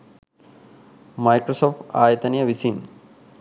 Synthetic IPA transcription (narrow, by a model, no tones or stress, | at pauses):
mɐjkɾosoːfaːjɐt̪ɐnijɐʋisin